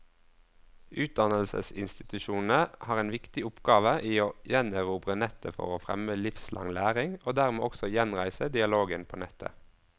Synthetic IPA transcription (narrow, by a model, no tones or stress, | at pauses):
ʔʉːt̪̚d̪ɑnəlsə̰sɪnst̪ɪt̪ʉʃuːn̩əhɑːʁeːnʋɪkt̪ɪʊpɡɑːʋəʔiːoːjɛnəʁuːbʁənɛt̪əfɔ̰ʁoːfʁɛ̰məlɪfslʔɑ̰ŋlæːʁɪŋoːd̪æʁmeːʔɔksɔjɛnʁæɪsəd̪ɪɑloːɡənpʰoːnɛt̪ʰə̰